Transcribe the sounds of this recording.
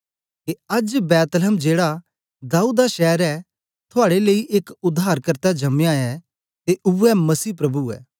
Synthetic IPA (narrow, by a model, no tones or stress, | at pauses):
keɐd͡ʒbɛːt̪lmd͡ʒeːɽa | d̪aːuːd̪aʃɛːɾɛ | t̪ʰʊaːɽeleːiʔeːkʊd̪ʱːaːɾkɐɾt̪ad͡ʒɐmjaːɛ | t̪eʔʊɛmɐsiːpɾɐbuɛ̰ː